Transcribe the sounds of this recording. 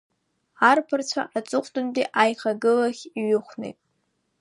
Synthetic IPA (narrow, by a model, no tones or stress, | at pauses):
arpʰɨrt͡ɕʷʰa̰ʔat͡sʷʼʊχʷʼtʼʊndiʔajχaɡɨlaχʲiɥʊχʷnḛjtʼ